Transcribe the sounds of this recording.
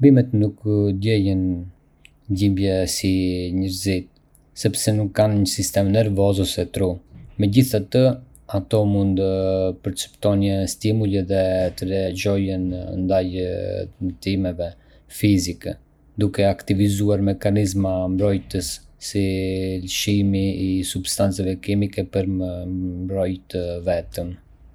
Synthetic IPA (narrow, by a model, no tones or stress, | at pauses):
bimɛt̪nukd̪ɛjən | ɟimbjɛsiɲəɾzit̪̚ | sɛpsɛnukːanɲəsist̪ɛmnɛɾvɔzɔsɛt̪ɾumɛɟiθat̪ə | at̪ɔmund̪əpəɾt͡sə̥pt̪ɔnəst̪imulɛðɛt̪əɾɛad͡ʒɔjənnd̪aj | t̪imɛvɛ | fizikɛ | d̪ukɛakt̪ivizuaɾmɛkanizmambɾɔjt̪əsːilʃimiːsubst̪ant͡sɛvɛkimikɛpəɾəmbɾɔjt̪əvɛt̪əm